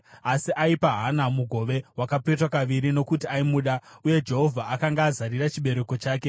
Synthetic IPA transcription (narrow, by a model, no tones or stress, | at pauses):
asiʔaipaɦanamuɡʱo̞ʋe̞wakapetwakaʋiɾino̞kutiaimuːɗauje̞d͡ʒe̞ɦo̞vʱaʔakaŋɡaːzaɾiɾat͡ʃiɓe̞ɾe̞ko̞t͡ʃaːke̞